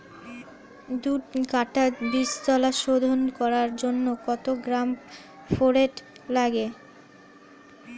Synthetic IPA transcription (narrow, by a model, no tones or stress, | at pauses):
d̪uʈkaʈabist̪ɔlaʃod̪ʱonkɔɾaɾd͡ʑonːokɔt̪oɡɾam | foɾeʈ | laɡe